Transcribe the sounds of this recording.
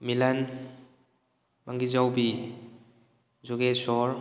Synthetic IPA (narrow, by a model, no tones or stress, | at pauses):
milan | maŋɡizawbi | zɔɡesɔɾ